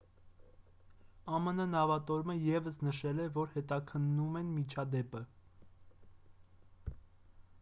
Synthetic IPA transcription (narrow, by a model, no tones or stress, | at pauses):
ɑmənənɑvɑt̪ɔɾməjɛvəsnəʃɛlɛvɔɾhɛt̪ɑkʰənːumɛnmit͡ʃʰɑd̪ɛpə